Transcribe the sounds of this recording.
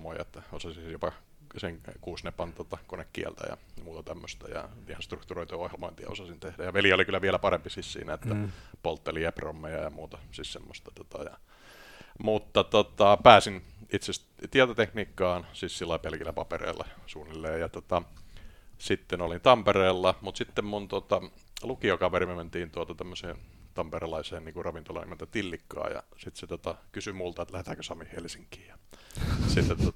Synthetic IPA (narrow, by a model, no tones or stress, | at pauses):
moiḛt̪ːæosɑsinjopɑ | seŋkuːsnepɑnt̪ot̪ɑkonekːḭɛ̰lt̪æ̰jɑ̰muːt̪ɑt̪æmːøst̪æ̰jɑ̰t̪ihænst̪rukt̪uroit̪ojohjelmoint̪iɑ̰o̰sɑsint̪ehdæjɑʋeliolikylːæʋiælæpɑrempisissḭːnæet̪ːæpolt̪ːeliepromːejɑ̰jɑmuːt̪ɑsissemːost̪ɑ̥t̪ot̪ɑ̰jɑ̰ | mut̪ːɑt̪ot̪ɑpæːsinit̪ses | t̪iɛt̪ot̪ekniːkːɑːnsiːssilːɑpelkilːæpɑpḛrḛːlːɑ̰suːnːilːeːjjɑt̪ot̪ɑ | sit̪ːenolint̪ɑmpereːlːɑmut̪sit̪ːemmunt̪ot̪ɑ | lukiokɑʋerimement̪iːnt̪uot̪ɑt̪æmːøsḛːnt̪ɑmperelɑiseːnniːŋkurrɑʋint̪olɑ̰nḭment̪æt̪ilːikːɑ̰ːjɑ̰sit̪set̪ot̪ɑkysymult̪ɑet̪læhet̪æːkøsɑmihelsiŋki̥ːjɑ | sit̪ːet̪o